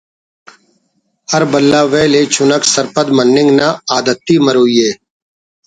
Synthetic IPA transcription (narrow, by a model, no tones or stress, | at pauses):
həɾbəlːaːʋeːleːt͡ʃʰʊnəksəɾpəd̪mənːɪ̃ŋɡnaːaːd̪ət̪ːiːməɾoːiːeː